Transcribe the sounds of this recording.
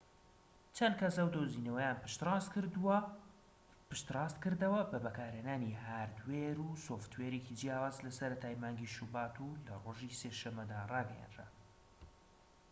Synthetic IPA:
t͡ʃʰɐnd̪̚kɐsɐwd̪oːzinɐwɐjaːnpʃt̪ːskd̪ | pɨʃt̪ɾɑːst̪kɨɾd̪ɐwɐbɐbɐkaːɾeːnaːniɦaːɾd̪weɾusoft̪weːɾekid͡ʒijaːwaːzlɐsɐɾɐt̪aːjmaːŋɡiʃubaːt̪ʰulɐroːʒiseʃɐmːɐd̪aːrɑːɡɐja̰nd̪ɾa̰

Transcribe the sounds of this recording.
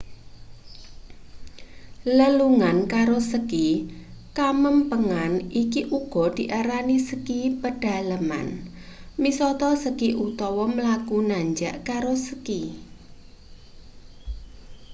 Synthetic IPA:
ləluŋankaɾosəkikaməmpəŋanʔikiʔuɡ̥ɔ̤d̪̥i̤ʔaɾanisəkipəɖ̥a̤lama̰n | misɔt̪ɔsəkiʔut̪ɔwɔməlakunaɲd͡ʒaʔkaɾosəki

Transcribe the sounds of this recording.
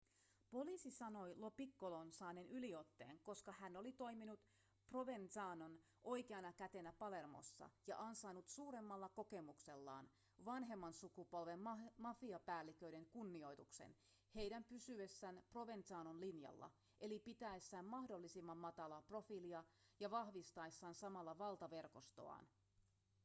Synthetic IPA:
po̞liːsisɑno̞jlo̞pikːolo̞nsɑːnenʔylio̞t̪ːe̞̰ːŋko̞skɑhæno̞lit̪o̞iminut̪ | pro̞ʋe̞nt̪ɑːnon | ʔo̞jkeɑnɑkæt̪e̞næpɑle̞rmo̰sːɑ̰jɑ̰ʔɑnsɑːnut̪suːɾe̞mːɑlːɑko̞ke̞mukse̞lːɑ̰ːn | ʋɑnɦe̞mːɑnsukupo̞lʋemmɑfiɑpæːlːikøide̞ŋkunːio̞jt̪uksḛn | he̞jdæmpysyesːænpro̞ʋent̪sɑːnonlinjɑ̰lːɑ̰ | ʔelipit̪æesːæːmːɑhdolːisimːɑmːɑt̪ɑlɑpro̞filiɑjɑʋɑhʋist̪ɑesːɑːnsɑmɑlːɑʋɑlt̪ɑʋe̞rko̞st̪o̰ɑ̰ːn

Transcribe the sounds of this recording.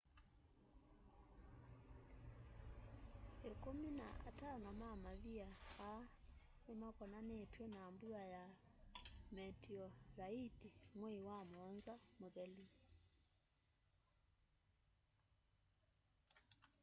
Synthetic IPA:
ekomina̰ʔa̰tanamamaβiaa | ɛmakɔnanɛːtwɛnaːmbuaja | mɛtiɔɾaitiŋweiwamɔnzamoðɛli

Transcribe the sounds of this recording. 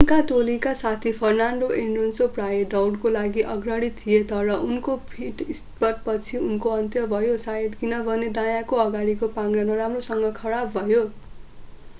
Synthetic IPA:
unkat̪olikasat̪ʰipʰʌrnaɳɖoʔeɳɖonsoprajeɖʌwɽkolaɡiʔʌɡrʌɽit̪ʰːijet̪ʌɾʌʔunkopʰiʈist̪pʌt̪̚pʌt͡sʰiunkoʌnt̪jʌbʱʌjosaed̪kinʌbʱʌned̪ãjakoʌɡaɽikopaŋɾanʌɾamrosʌŋɡʌkʰʌɽabbʱʌjo

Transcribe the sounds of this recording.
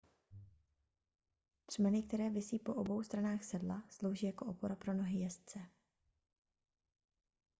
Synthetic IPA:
r̝̥mɛnɪkt̪ɛɾɛːvɪsiːpo̞ʔobo̞wst̪ɾanaːxsɛdlaslo̞wʒiːjako̞ʔopo̞ɾapɾo̞no̞ɦɪjɛst͡sɛ

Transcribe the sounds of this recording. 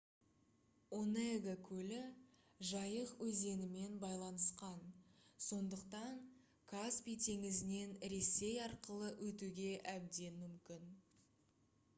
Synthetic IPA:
oneɡakʲʰɵlɪ | ʒɑjəqwɵze̞nɪme̞nbɑjlˠɑnəsqɑnso̞nd̪əqt̪ɑɴ | kʰaspʲijt̪ʰe̞ŋɪzɪne̞nɾe̞se̞jɑɾqəlˠəwʔɵt̪uɡʲe̞ʔæb̚d̪e̞nmʏmkʲɪn

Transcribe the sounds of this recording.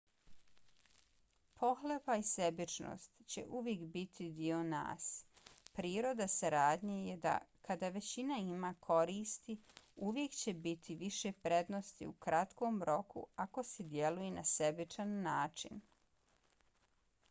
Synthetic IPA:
pʰo̞xlepaisebit͡ʃno̰ːst̪t͡ɕe̞̰ʔuʋje̞kbit̪ʰid̪io̞na̰ːspɾiːɾo̞d̪asaɾaːd̪ɲejed̪a̰kad̪aʋe̞t͡ɕinaimakʰo̞ɾiːst̪iuʋje̞kt͡ɕe̞bit̪ʰiʋiʃe̞pɾe̞d̪no̞st̪ḭukɾat̪ko̞ːmɾo̞kṵako̞sed̪je̞lujenasebit͡ʃanːaːt͡ʃḭn

